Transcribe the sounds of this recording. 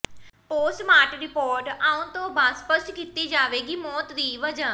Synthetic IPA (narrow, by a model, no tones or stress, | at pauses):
poːsʈmaːʈɾɪpoːɾʈaːũːt̪õːbaːd̪spəskit̪iːd͡ʒaːʋeːɡiːmɔːt̪d̪iːʋəd͡ʒaː